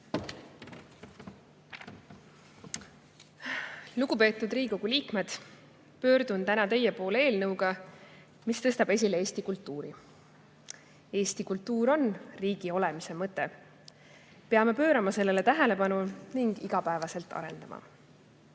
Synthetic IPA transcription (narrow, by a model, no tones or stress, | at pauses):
luɡupe̞ːt̪ːˑud̪riːkoɡuliːkme̞d̪̥ | pø̞ːɾd̪unt̪ænɑt̪e̞jepo̞ːlee̞ːlnɤwɡɑ | mist̪ɤ̞st̪ɑb̥e̞s̬ʲileeːsʲt̪ikult̪ːuːɾi | e̞ːst̪ikult̪ːuːɾo̞nriːɡ̥io̞le̞mise̞mɤt̪ːˑe̞ | pe̞ɑme̞pø̞ːɾɑmɑse̞lːele̞t̪æɦele̞pɑnuniŋɡ̥iɡ̥ɑpæevɑse̞lt̪ːˑɑ̰ɾe̞̰nd̪ɑmɑ̰